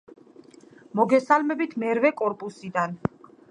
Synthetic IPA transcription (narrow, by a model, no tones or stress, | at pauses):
mɔɡɛsalmɛbit̪ʰmɛɾvɛkʼɔɾpʼusid̪an